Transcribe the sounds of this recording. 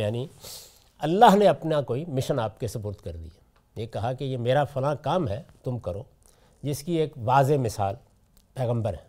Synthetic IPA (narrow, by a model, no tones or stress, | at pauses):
jaːni | ɐlːaːɦneɐpnakoːimɪʃənaːp̚kesɐpʊːɾt̪kɐɾd̪ḭaː | jekɐɦakejemeːɾafɐlãkaːmɦɛt̪ʊmkɐɾoː | d͡ʒɪskieːkʋaːzemɪsaːl | pɛːɣə̃mbəɾɦɛː